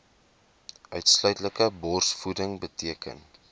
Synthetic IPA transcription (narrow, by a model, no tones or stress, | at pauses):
œɥtslœɥtləkəbɔrsfudəŋbətiəkə̰n